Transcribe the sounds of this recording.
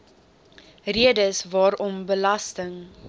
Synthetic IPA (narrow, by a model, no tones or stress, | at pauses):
riədəsvɑːɾɔmbəlɐstəŋ